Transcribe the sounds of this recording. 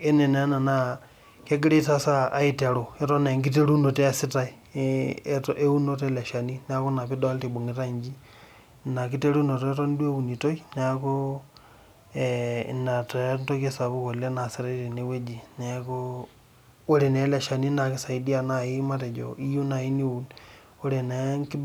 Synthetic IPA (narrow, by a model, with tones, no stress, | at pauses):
e˦ne˨nː˨˦na˨na˦ | ke˦ɡi˦ɾe˦ta˦saː˦i˦te˨ɾo˨e˦to˦ne˨ŋɡi˦t̬e˦ɾu˦no˨te˦a˦sɪ˦ta˦i˦ | tʔe˦u˦no˦te˦le˨ʃa˨ni˦n˦a˦ko˦na˨pi˦do˦a˦lte˨bo˨ŋi˨ta˦i˨ɲd͡ʒi˦ | na˨k̬i˦te˦ɾu˦no˨to˨e˦to˦n˦dwe˦u˨ni˨to˦i˦ne˨a˦ko˦ | na˨te˨nto˦ke˦sa˨βo˦ko˨le˦na˨si˦ɾe˦te˨ne˨we˦d͡ʒi˨ne˦ko˦ | o˦ɾe˨ne˨˦le˨ʃa˨ni˦na˨ki˦sa˨i˦di˦a˦˨na˨i˦ma˦te˨d͡ʒo̰˨i˦ju˦na˨i˦ni˦u˨n | o˦ɾe˨ne˨ŋki˦